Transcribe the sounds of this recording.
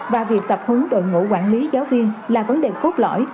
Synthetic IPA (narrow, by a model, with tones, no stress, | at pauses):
vaː˨˩vi˨˩ək̚t̪ə˨˩p̚hɨ˨˦ŋɗo̰˧˨jŋṵ˧˥kwaː˧˩˨nli˨˦zaː˨˦wvi˧ənlaː˨˩və˨˦nɗe˨˩t̪o˦˥t̚lɔ̰˧˩˨j